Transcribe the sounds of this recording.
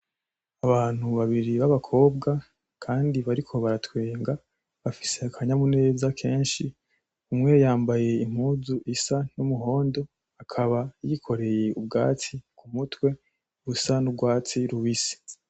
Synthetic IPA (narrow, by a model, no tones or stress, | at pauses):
aβaːn̥huβaβiɾiβaβakʰo̞ːbɡa | kʰaːndiβaɾikʰo̞βaɾatweːŋɡa | βafi̥se̞kʰaɲamune̞ːzakʰe̞ːnʃi | umŋe̞jaːmbaje̞im̥huːzuʔisan̥umuɦo̞ːndo̞ | akʰaβajikʰo̞ɾe̞je̞ubɡa̰ːt͡sikʰumutwe̞ | ɾusanubɡwaːt͡siɾuβisi̥